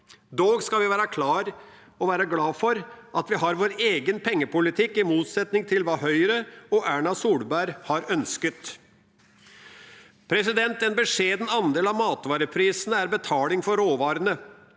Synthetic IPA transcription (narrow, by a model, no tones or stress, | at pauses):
d̪oːɡskɑlʋɪʋæːɾɑkʰlɑːɾ | ɔʋæːɾɑɡlɑːfɔɾʔɑt̪ʋɪɦɑɾʋoːɾeːɡənpʰɛŋːəpʊlɪt̪ʰɪkːɪmuːt̪sɛt̪nɪŋt̪ʰɪlʋɑːhœʏɾəɔʔæːɳɑsuːlbæɾhɑɾœnskət̪ | pʰɾɛsɪd̪ɛnt̪ɛnbəʂeːd̪n̩ɑnd̪eːlɑʋmɑːt̪ʋɑːɾəpʰɾiːsənəæɾbət̪ʰɑːlɪŋfɔɾoːʋɑːɾənə